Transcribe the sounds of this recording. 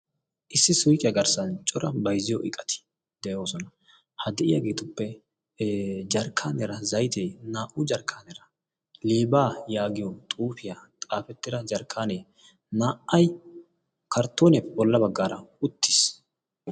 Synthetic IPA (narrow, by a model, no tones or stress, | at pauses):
ʔɪsːɪsʊjkʼɪjɐɡɐɾsɐnt͡ʃʼɔɾɐbɐjzɪjɔ̰ʔɪkʼɐt̪ʰɪ̥ | d̪ɛʔo̞ːsɔnɐ | hɐd̪ɛʔɪjaːɡeːt̪ʊpːɛ | d͡ʒɐɾkʰːaːnɛɾɐzɐjt̪ʰeːnaːʔʊd͡ʒɐɾkʰːaːnɛɾɐ | leːbaːjaːɡɪjɔt̪ʼuːfɪjat̪ʼaːfɛt̪ːɪd̪ɐd͡ʒɐɾkʰːaːne | naːʔɐj | kɐɾt̪ːoːnɛbɔlːɐbɐɡːaːɾɐʊt̪ːɪ̥s